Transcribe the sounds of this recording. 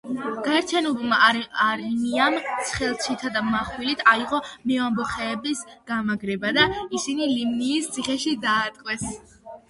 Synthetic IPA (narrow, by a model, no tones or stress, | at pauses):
ɡ̥aɛɾt͡ʃ̪ʰjanɔbmaaɾniamt̪sʰχɛlˠt͡ʃʰit̪ʰad̪amaχwilit̪ʰaiʁɔmɛambɔχɛːbisɡ̥amaɡɾɛbad̪aisinilimniːst̪sʰiχɛʃid̪aːt̪ʼqʼwɛs